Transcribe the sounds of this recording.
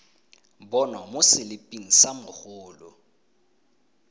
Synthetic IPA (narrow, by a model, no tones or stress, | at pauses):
bɔnwamʊsɪlɪpʼiŋ̩samʊhʊːlʊ̰